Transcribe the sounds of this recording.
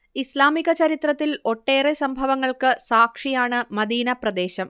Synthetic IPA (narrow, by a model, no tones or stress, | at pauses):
islaːmiɣɐt͡ɕɐɾit̪rɐt̪ːilo̞ʈːe̞ːresɐmbʱɐʋɐŋːɐɭkɨsaːkʂijaːɳɨmɐd̪iːnɐprɐd̪e̞ːɕɐm